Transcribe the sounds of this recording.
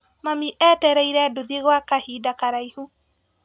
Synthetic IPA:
mamiʔɛtɛɾɛiɾɛdoðeɣwakahiːdakaɾaihu

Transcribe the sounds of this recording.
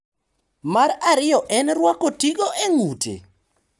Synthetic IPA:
maɾaɾɪjɔʔɛnɾwakɔtiɡoʔeŋutḛ

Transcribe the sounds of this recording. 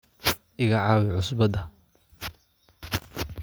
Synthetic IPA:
ʔɪɣɐʕɑːwɛʕʊsbɐd̪ɐ

